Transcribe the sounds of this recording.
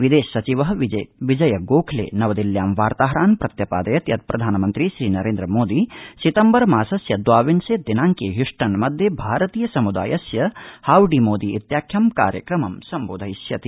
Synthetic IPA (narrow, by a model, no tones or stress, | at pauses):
ʋid̪eːʃːɐt͡ʃiʋɐɦɐʋid͡ʒɐjɐɡoːkʰlḛːnɐʋɐd̪iljaːmʋaːɾt̪aːɦɐɾaːnpɾɐt̪jɐpaːd̪ɐjɐt̪jɐt̪̚pɾɐd̪ʱaːnɐmɐnt̪ɾiʃɾiːnɐɾeːnd̪ɾɐmoːd̪isit̪ɐmbɐɾmaːsɐsjɐd̪ʋaːʋinseːd̪inaːŋkeːɦjuʂʈɐnmɐd̪ʱjɐbʱaːɾɐt̪iːjɐsɐmud̪a̰ːjɐsjɐhaːwɖiːmoːd̪iʔit̪jaːkʰjɐmka̰ːɾjɐkɾɐmɐmsɐmboːd̪ʱɐjsjɐt̪i